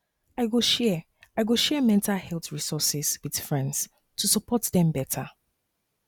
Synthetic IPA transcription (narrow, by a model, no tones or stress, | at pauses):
aɪɡoʃɛ | aɪɡoʃɛmɛ̃ntʰalhɛlˠθɹisɔsɪz̥wið̥fɹɛ̃ndz̥ | tʰusəpʰɔtðɛ̃mbɛtʰa